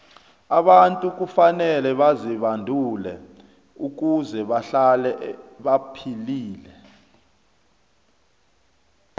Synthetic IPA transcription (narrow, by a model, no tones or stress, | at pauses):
aɓantʼuk̬ufanɛlɛɓaziɓandʱulɛ | uk̬uzɛɓaɬalɛɓapʰiliːlɛ